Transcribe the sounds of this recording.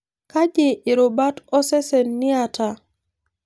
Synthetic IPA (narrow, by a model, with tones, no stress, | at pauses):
ka˦d͡ʒe˨ɪ˨ɾo˨ba˦tɔ˦sɛ˦se˨nːi˦a˨ta˨